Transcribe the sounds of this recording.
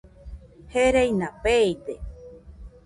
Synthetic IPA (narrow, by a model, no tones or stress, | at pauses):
heɾejnapejd̪e